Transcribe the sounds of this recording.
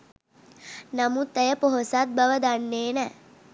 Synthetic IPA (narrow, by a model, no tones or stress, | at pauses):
nɐmut̪əjəpoɦosat̪̚bɐʋəd̪anːeːnɛ